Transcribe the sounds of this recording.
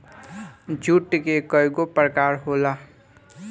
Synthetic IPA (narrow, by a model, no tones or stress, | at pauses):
d͡ʒuːʈkekəjɡopɾəkaːɾɦoːla